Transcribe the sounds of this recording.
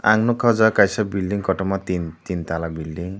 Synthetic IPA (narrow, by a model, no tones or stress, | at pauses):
a̰ŋnukʰɔd͡zɔkajsabilɖiŋkɔʈɔmat̪int̪int̪alabilɖiŋ